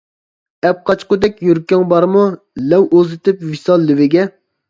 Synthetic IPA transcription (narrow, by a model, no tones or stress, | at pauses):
ɛp̚qʰɑt͡ʃqʊd̪ɛkʲjøɾkʲːɛŋbɑɾmu | lɛwozɪt̪ɪpvisɑlˠːɪwɪɡʲɛ